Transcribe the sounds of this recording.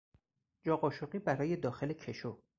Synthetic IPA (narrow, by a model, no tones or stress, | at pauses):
d͡ʒɒːɢɒːʃoɢiːbæɾɒːje̞d̪ɒːxe̞lecʰe̞ʃo